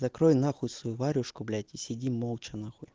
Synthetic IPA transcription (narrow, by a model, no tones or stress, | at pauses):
zɐkɾojnaxʊjsɐjuvaɾʲʊʂkʊblʲajtʲɪsʲɪdʲimolˠt͡ʃɐnaxʊjʲ